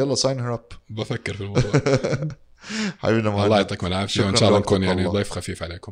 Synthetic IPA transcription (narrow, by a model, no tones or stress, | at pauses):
jɑlːˤɑsɑjnhəɾapbafakːɪɾfilm | ħa̰binamɑlˤɑːjɑt̪ˤːɑkmɪlʕafʃiwɪnʃaːlːˤɑnkuːnjaʕnid̪ˤɑːfxafiːfʕaleːkʊm